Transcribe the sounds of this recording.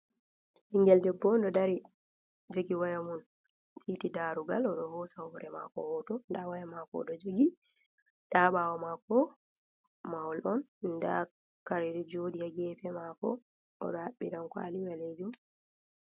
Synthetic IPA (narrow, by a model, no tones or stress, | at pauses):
hiŋɡɛldɛbːɔndɔdaɾi | veɡiwajamun | fitidaːɾuɡalɔɗɔhɔsawɔɾɛma̰kɔ̰hɔtɔndawajamakɔ̰ɗɔd͡ʒoɡi | ɗaːɓawɔmakɔ | mawɔlʔɔnnda̰ | kaɾiɗɛd͡ʒodijaɡɛːpɛmakɔ̰ | ɔ̰ɗɔhaɓːinankwa̰liwaled͡ʒum